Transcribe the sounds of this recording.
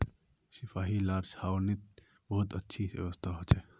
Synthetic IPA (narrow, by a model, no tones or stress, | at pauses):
ʃɪfaːɦilaːɾʃhaːwnɪt̪̚ | bɔɦʊt̪ətːʃʰiɛ̰ʋəst̪ʰaɦot͡ʃɛː